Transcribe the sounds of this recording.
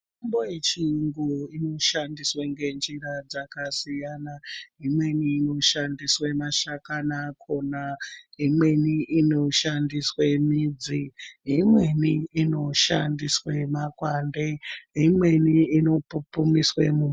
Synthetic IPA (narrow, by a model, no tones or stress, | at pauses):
mambojet͡ʃiŋɡuino̞ʃandisweŋɡe̞nd͡ʒiɾad͡zakasijanaɦimwe̞niːno̞ʃandiswemaʃakanakʰo̞naɦimwe̞niʔino̞ʃandiswe̞mid͡ziɦimwe̞niːno̞ʃandiswemakwandeɦimwe̞niino̞pupumiswemuː